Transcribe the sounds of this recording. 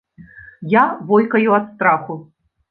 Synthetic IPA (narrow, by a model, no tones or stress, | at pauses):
javɔjkɐjuɐt̪st̪ɾaxu